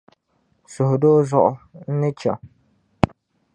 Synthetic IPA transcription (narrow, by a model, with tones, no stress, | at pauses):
sʊ˨hʊ˨doː˦zʊ˦ʔʊ̰˨n̩˦nɨ˦t͡ʃa̰˨